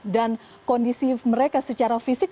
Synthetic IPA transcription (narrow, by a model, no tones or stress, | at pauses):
dan | kɔndisiməɾekasət͡ʃaɾafisɪk̚